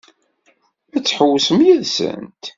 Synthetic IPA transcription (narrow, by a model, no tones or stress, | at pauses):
æt͡sːħəwːəsəmjiðsə̰nt̪